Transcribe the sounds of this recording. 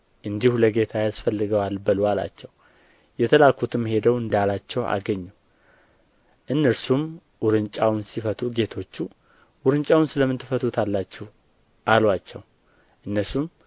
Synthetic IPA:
ʔɨnd̪ihuləɡe̞t̪ʰajasfəlːɨɡəwalbəlwala̰t͡ʃːɛw | jɛt̪ʰəlakʰut̪ʰɨmːhe̞d̪əwɨnd̪jalat͡ʃːɛwʔa̰ɡəɲːu | ʔɨnːəɾsum | wʊɾɨnt͡ʃʼawnsifət̪ʰuɡe̞t̪ʰo̞t͡ʃːu | wʊɾɨnt͡ʃʼawunsɨləmːɨnt̪ːɨfət̪ʰut̪ʰalːat͡ʃːɛw | ʔalwat͡ʃːɛw | ʔɨnːəsum

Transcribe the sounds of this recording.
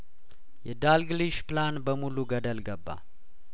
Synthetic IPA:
jɛd̪alɡliʃplanbəmuluɡəd̪əlɡəbːa̰

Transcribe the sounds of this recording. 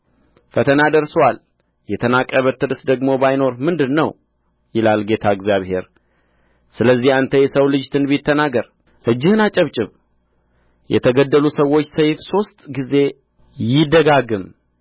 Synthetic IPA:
fət̪ʰənad̪əɾsəwal | jɛt̪ʰənakʼːəβət̪ːɨd̪ɨsd̪əɡmo̞bajno̞ɾmɨnd̪ɨnːəw | jɪlalɡe̞t̪ʰaɨɡzjaβhe̞ɾ | sɨləzːihant̪ʰəjɛsəwlɨd͡ʒt̪ʰɨnbit̪ʰːənaɡəɾ | ʔɨd͡ʒːɪhɨnat͡ʃʼəβt͡ʃʼɪβ | jɛ̰t̪ʰəɡəd̪ːəlusəwo̞t͡ʃːsəjfso̞st̪ʼɡize̞ | jɪd̪əɡaɡɨm

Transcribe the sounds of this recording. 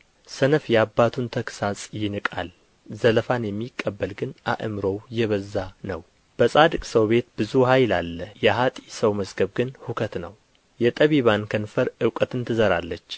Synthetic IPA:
sənəfjabːat̪ʰunt̪ʰəksasʼjɪnɨkʼal | zələfanjɛmːikʼːəbːəlɡɨnʔa̰ʔɨmɾowjɛβəzːanəw | b̥əsʼad̪ɨkʼsəwbe̞t̪bɨzuhajlalːəjɛɦat̪ʼisəwməzɡəβɡɨnhukʰət̪nəw | jɛt̪ʼəβiβankʰənfəɾɨwkʼət̪ɨnt̪ʰɨzəɾa̰lːət͡ʃː

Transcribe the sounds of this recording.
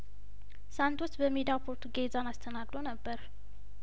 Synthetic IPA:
sant̪wɔt̪ːbəmed̪apʰoɾt̪ʰuɡezanast̪ʰənaɡlonəbːəɾ

